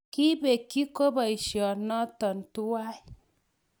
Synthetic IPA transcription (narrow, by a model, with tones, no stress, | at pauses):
ki˦be˨kːi˦ko˦ba˨i˨ʃjɔ˨nɔ˦tɔ˨n˨tu˦wa˦i˨˦